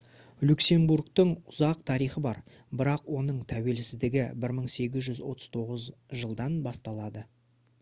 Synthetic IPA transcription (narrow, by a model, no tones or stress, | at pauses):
lukse̞mburkt̪əɴʊzɑqt̪ʰɑɾijχəbɑɾ | bɪɾɑqwo̞nəɴt̪ʰæwe̞lsɪzd̪ɪɡʲɪbɪɾməɴse̞ɡʲɪzʒʏzwo̞̰t̪ʰəz̥t̪ʰo̞ʁəzʒəlˠd̪ɑnbɑst̪ɑlˠɑd̪ə